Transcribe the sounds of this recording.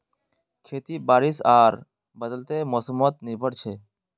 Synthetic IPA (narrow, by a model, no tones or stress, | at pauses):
kʰet̪ibaːɾisaːɾ | bəd̪əlt̪emɔːsəmɔt̪nibʱəɽt͡ʃʰe